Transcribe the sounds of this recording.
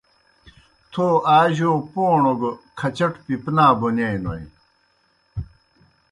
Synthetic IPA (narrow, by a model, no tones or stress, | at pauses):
t̪ʰoːaːʑoːpoːɳoɡokʰɐt͡ɕɐʈpipnaːbonejno̰j